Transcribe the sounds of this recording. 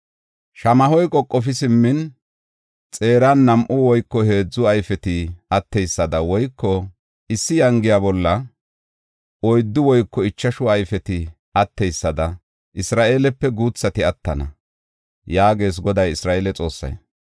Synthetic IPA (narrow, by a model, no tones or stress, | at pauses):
ʃɐmɐhɔjkʼɔkʼːɔfɪsɪmːɪn | t͡sʼe̞ːɾanːɐmʔʊwɔjkːɔhe̞ːd͡zːʊɐjfɛt̪ɪɐt̪ːɛjsːɐd̪ɐwɔjkʰːɔ | ʔɪsːɪjɐŋɡɪjabɔlːɐ | ʔɔjd̪ːʊwɔjkːɔɪt͡ʃːɐʃʊɐjfɛt̪ɪ | ɐt̪ːɛjsːɐd̪ɐ | ʔɪsɾaːʔe̞ːlɛpːɛɡuːt͡sːɐt̪ɪɐt̪ːɐnɐ̰ | jaːɡe̞ːs̬ɡɔd̪ɐjɪsɾaːʔelɛt͡sʼo̞ːsːɐ̰j